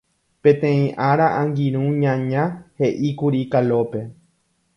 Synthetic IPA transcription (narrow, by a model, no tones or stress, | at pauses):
pẽ̞t̪ẽ̞ĩʔaɾaʔãŋɡĩɾ̃ũɲãɲãhe̞ʔikuɾikalope̞